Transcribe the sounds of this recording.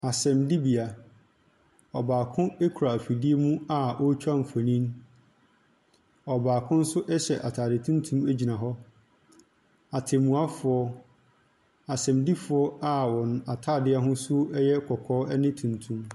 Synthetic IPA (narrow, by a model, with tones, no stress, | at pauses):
a˨sɛ̃˨mdi˦bi˨a˨ | ɔ˨baː˨kʰʊ̃˦e˦kʰu˨ɾa˨fi˨di˦e˦mũ˦a˨ʔɔ˦t͡ɕᶣʰa˦m̩˨fa˨nĩ˦n | ɔ˨baː˨kʰʊ̃˦n̩˦sʊ˦ʔɛ˦ɕɛ˨ʔa˨tʰaː˨dɪ˨tʰũ˦n˦tʰũ˦mæ˦d͡ʑi˨nã˨ɦɔ˦ | a˨tʰɪ˨mũ˨a˦fʊ˨ɔ˦ | a˨sɛ̃˨mdi˦fʊ˨˦ɔ˦a˦wɔ̃˨n˨a˨tʰaː˦˨dɪ˦a˦ɦʊ̃˦su˦ɛ˦jɛ˦kʰɔ˨kʰɔː˦ɛ˦nɪ̃˦tʰũ˨ntʰũ˦m